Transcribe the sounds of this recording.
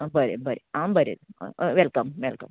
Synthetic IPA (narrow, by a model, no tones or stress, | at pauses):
bɐɾibɐɾiaːbɐɾḭd̪̰ʋelkɐmʋɛlkɐm